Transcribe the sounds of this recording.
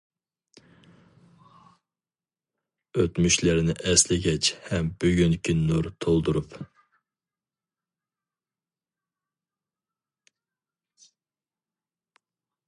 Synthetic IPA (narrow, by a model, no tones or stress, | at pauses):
øt̪myʃlɪɾnɪʔɛslɪɡʲɛt͡ʃhɛmbøɡʲynkʲinuɾt̪ʰolˠd̪uɾup